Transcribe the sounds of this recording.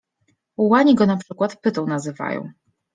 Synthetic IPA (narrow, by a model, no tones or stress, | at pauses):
uwaɲiɡɔnapʂɘkwat̪pɘt̪ɔ̃w̃nazɘva̰jɔ̰̃w̃